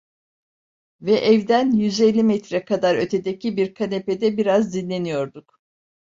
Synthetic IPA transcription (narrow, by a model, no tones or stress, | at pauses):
vɛʔɛvd̪ænjyze̞lʲːimɛt̪ɾɛkʰad̪aɾø̞t̪ʰe̞d̪ecʰibiɾkʰaneped̪ɛbiɾazd̪inlʲe̞nijo̞ɾd̪uk